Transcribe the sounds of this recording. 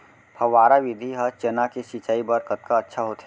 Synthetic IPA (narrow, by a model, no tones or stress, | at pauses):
pʰɐʋaːɾaʋɪd̪ʱiɦɐt͡ʃɐnakeʃit͡ʃaːibɐɾkət̪̚kaɐtːʃʰaɦoːt̪ʰɛ